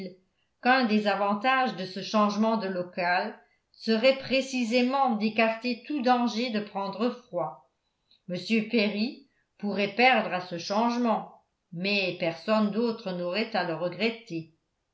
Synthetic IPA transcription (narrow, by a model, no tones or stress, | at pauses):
l | kɛ̃d̪ezavɑ̃t̪aʒd̪əsəʃɑ̃ʒmɑ̃d̪əlɔkal | səʁɛpχesizemɑ̃d̪ekaʁt̪et̪ud̪ɑ̃ʒed̪əpχɑ̃d̪ʁəfχwa | məsjøpeʁi | puʁɛpɛʁd̪ʁasəʃɑ̃ʒmɑ̃ | mɛpɛʁsɔnd̪ot̪χənɔʁɛt̪aləʁəɡʁɛt̪e